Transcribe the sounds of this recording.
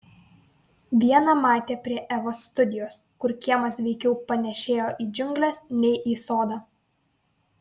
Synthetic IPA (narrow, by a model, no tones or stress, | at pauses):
ʋʲiɛnɐmɑːt̪ʲeːpʲɾʲiɛʔɛʋoːsːt̪ʊd̪ʲɪjoːskʊɾkʲiɛmɐsʋʲɛɪkʲɛʊpɐnʲɛʃʲeːjoːʔiːd͡ʒʲʊŋʲɡlʲɛsnʲɛɪʔiːsoːd̪ɑː